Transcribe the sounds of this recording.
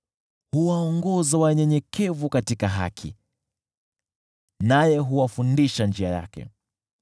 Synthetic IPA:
huwaɔŋɡɔzawaɲɛɲɛkʰɛvukatikaɦa̰kʰḭ | najɛɦuwafundiʃand͡ʒiaja̰kɛ̰

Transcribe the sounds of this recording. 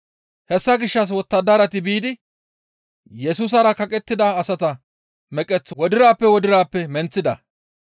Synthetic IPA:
hɛsːɐɡɪʃːɐs̬wɔt̪ːɐd̪ɐɾɐt̪ɪbiːd̪ɪ | jɛsuːs̬ɐɾɐkɐkʼɛt̪ːɪd̪ɐːsɐt̪ɐ | mɛkʼɛt͡sːwɔd̪ɪɾaːpːɛwɔd̪ɪɾaːpːɛmɛnt͡sːɪd̪ɐ̰

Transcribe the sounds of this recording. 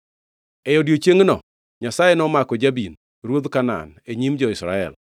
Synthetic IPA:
ɛjɔdjot͡ʃeŋnɔ̰ | ɲasajenɔmakɔd͡ʒabin | ɾwod̪kana̰neɲimd͡ʒɔɪsɾa̰ɛ̰l

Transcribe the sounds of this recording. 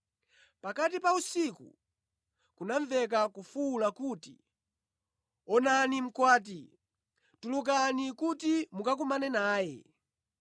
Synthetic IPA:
pakatipausikṵ | kunaɱvɛk̬akufuːlakuːtḭ | ɔnanim̩kwaːt̬i | tuluk̬anikutimukak̬umanɛnaːjɛ̰

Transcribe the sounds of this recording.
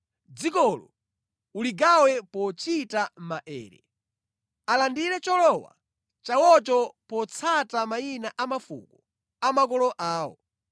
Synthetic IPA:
d͡zikɔlɔ | uliɡawɛpɔt͡ʃitam̩maʔɛ̰ːɾɛ̰ | alandiɾɛt͡ʃɔlɔwa̰ | t͡ʃawɔt͡ʃɔpɔt͡sʰatamainaʔamafṵkɔ | amakɔlɔʔaːwɔ̰

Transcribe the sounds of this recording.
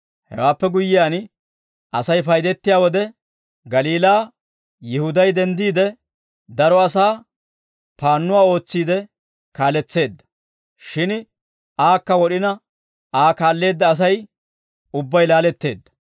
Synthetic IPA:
hɛ̰waːpːɛɡʊjːɪjaːn | ʔɐsɐjfɐjd̪ɛt̪ːɪjaːwɔd̪ɛ | ɡɐliːlaː | jɪhʊd̪ɐjd̪ɛnd̪iːd̪ɛ | d̪ɐɾɔɐs̬aː | paːnːʊwaːo̞ːt͡sːiːd̪ɛ | kaːlɛt͡sːe̞ːd̪ːɐ̥ | ʃɪn | aːkːɐwɔɗɪnɐ | aːkaːlːe̞ːd̪ːɐːs̬ɐj | ʊbːɐjlaːlɛt̪ːe̞ːd̪ːɐ̥

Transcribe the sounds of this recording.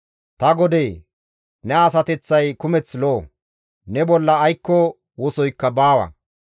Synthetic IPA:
t̪ɐɡɔd̪eː | nɛɐs̬ɐt̪ɛt͡sːɐjkʊmɛt͡sloː | nɛbɔlːɐːjkːɔ | wɔsɔjkːɐbaːwɐ̰

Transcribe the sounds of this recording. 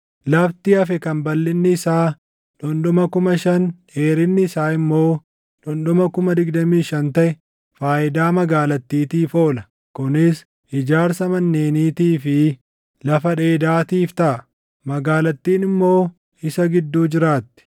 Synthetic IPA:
lɐft̪ɪɐfɛkɐnbɐlːɪnːɪːsaː | ᶑɔnɗɔmɐkʊmɐʃɐn | eːɾɪnːɪːsaːɪmːo̞ː | ᶑɔnɗɔmɐkʊmɐd̪ɪɡd̪ɐmiːʃɐnt̪ɐʔɛ | faːʔɪd̪aːmɐɡaːlɐt̪ːiːt̪iːfo̞ːlɐ | kʊnɪs | ʔɪd͡ʒaːɾsɐmɐnːeːniːt̪iːfɪ | lɐfɐᶑe̞ːd̪aːt̪iːft̪ɐʔɐ | mɐɡaːlɐt̪ːiːnɪmːo̞ː | ɪsɐɡɪd̪ːuːd͡ʒɪɾaːt̪ːɪ̥

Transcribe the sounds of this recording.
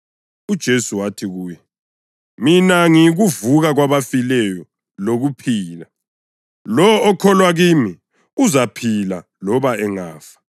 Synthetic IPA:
ud̥ʒ̥ʱesuwatʰiɣuːjɛ | minaŋiɣuvuɣaɣwaβafilɛjɔ | loɣupʰiːla | lɔːkʰɔlwaɣiːmi | uzapʰila | lɔβaɛŋaːfḁ

